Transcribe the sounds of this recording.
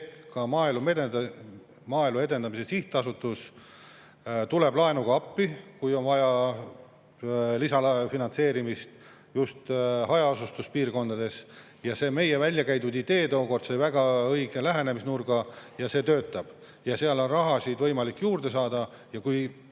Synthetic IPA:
kɑmɑːelumed̪e | mɑːelue̞d̪e̞nd̪ɑmisesiht̪ɑsut̪ːˑus | t̪ule̞blɑenuɡ̥ɑɑpːikujo̞nvɑjɑ | lisɑlɑfinɑnse̞ːɾimist̪ | just̪ɦɑjɑosust̪uspiːrko̞nd̪ɑd̪e̞s | jɑse̞ːme̞jevælʲjɑkæjt̪ud̪̥id̪e̞ːd̪o̞ːko̞rd̪sejvæɡ̥ɑɤjɡ̥e̞læɦe̞ne̞misnurɡ̥ɑjɑse̞ːt̪ø̞ːt̪ːˑɑb̥ | jɑseɑlo̞nrɑɦɑsid̪vɤ̞jmɑlikːjuːrd̪̥e̞s̬ɑːd̪ɑ | jɑkuj

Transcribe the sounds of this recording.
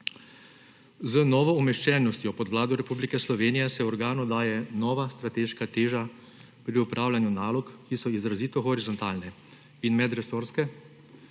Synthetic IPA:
zənɔːʋɔumɛʃt͡ʃɛːnɔst̪jɔpɔd̪wlaːd̪ɔɾɛpublikɛslɔʋeːnijɛsɛɔɾɡaːnud̪aːjɛnɔːʋast̪ɾat̪eːʃkat̪eːʒa | pɾiupɾʔaːwlʲanjunaːlɔkːisɔizɾaziːt̪ɔxɔɾizɔnt̪aːlnɛ | inmɛd̪ɾɛsoːɾskɛ

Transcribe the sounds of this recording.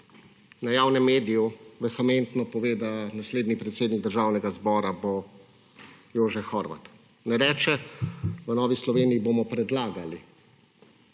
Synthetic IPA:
najaːwnɛmːeːd̪ijuʋɛxɛment̪nɔpɔʋeːd̪anasleːd̪nipɾɛt̪seːd̪niɡ̚d̪əɾʒaːwnɛɡazbɔːɾabo | joːʒɛxɔɾʋa̰t̪ | nɛɾɛːt͡ʃɛʋənɔːʋislɔʋeːniːbomɔpɾɛd̪laːɡali

